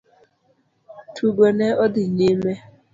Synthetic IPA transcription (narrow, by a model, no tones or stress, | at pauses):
tʰuɡeneɔdɪɲeme